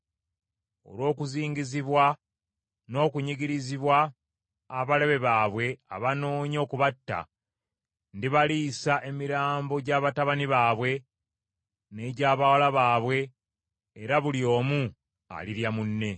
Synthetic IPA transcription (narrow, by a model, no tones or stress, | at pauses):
o̞̰lwo̞ːkuziːɲɟiziβwa | no̞ːkuɲiɟiɾiziβwaː | βale̞βe̞βaːβwe̞a̰βano̞ːɲo̞ːkuβatːa̰ | ndiβaliːsaʔe̞miɾaːmbo̞ɟaːβataβaniβaːβwe̞ | ne̞ɟaːβawalaβaːβwe̞ː | ɾaβulijo̞ːmu | a̰liɾjamunːe̞